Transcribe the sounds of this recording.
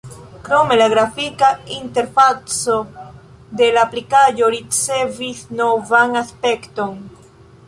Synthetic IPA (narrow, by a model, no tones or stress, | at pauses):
kɾo̞me̞laɡɾafikainte̞ɾfat͡so̞ | de̞laplikaʒo̞ɾit͡se̞visno̞vaŋaspe̞kto̞n